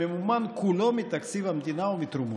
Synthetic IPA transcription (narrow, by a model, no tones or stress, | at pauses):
emumankʰulomit̪aksiʋamt̪inaomit̪ɾumu